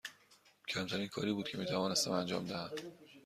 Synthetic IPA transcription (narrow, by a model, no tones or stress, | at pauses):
cʰæmt̪ʰæɾiːnkʰɒ̰ːɾiːbuːd̪̥̚cʰe̞miːt̪ʰævɒːne̞st̪æmænd͡ʒɒ̰ːmd̪æhæm